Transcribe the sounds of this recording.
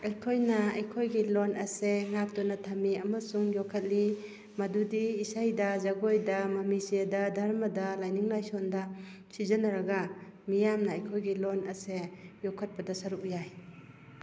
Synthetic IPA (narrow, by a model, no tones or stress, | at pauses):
ɐjkʰojnɐɐjkʰojɡilonɐseŋak̚tɔnɐtʰamiɐmɐsuŋjɔkʰːɐt̚li | madudiːsajdɐzaɡojdamɐmisijadɐdʱaɾmɐdalajniŋlajsɔndɐ | sizɐnɐɾɐɡa | mijamnɐːjkʰojɡilonɐsejɔkʰɐt̚pɐdasɐɾuk̚jaj